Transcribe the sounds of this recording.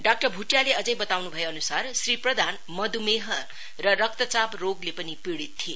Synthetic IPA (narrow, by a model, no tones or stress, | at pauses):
ɖak̚ʈʌrbʱuʈjaleʌd͡zʌjbʌt̪awnubʱʌjeʌnusarsriprʌd̪ʱan | mʌd̪umeɦʌ | rʌrʌk̚t̪ʌt͡sabroɡlepʌnipiɽit̪ʰːie